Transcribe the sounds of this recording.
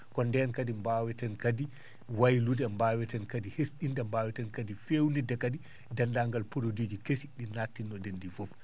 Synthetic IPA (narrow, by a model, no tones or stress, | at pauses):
kɔndɛnkadimbawɛtɛnkadi | wajludɛmbawɛtɛnkadihesɗindɛmbawɛtɛnkadifewnidɛkadi | dandaːŋɡalpoɾodid͡ʒikesiɗinatːinːɔdendifɔf